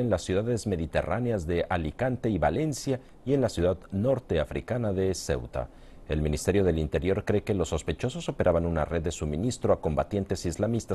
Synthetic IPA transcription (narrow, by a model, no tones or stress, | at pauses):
enlasːjuðaðe̞zme̞ðit̪e̞̰rʔaneazðe̞ʔalikant̪e̞iβale̞nsja | ie̞nlasjuðaðno̞ɾt̪e̞afɾḭkanaðe̞se̞̰wt̪a̰ | e̞lmĩnist̪e̞ɾjo̞ðe̞lint̪e̞ɾjo̞ɾkɾe̞ke̞lo̞sːo̞spe̞t͡ʃo̞so̞so̞pe̞ɾʔaβanuna̰re̞ðːe̞suminist̪ɾo̞ako̞mbat̪je̞nt̪e̞sizlamist̪a